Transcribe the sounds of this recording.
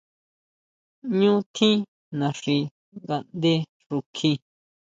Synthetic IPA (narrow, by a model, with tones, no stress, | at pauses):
ɲũː˦t̪ʰĩ˦ | nã˨ʂi˧ | ŋɡa˧nd̪e˦ | ʐu˧kʰĩ˧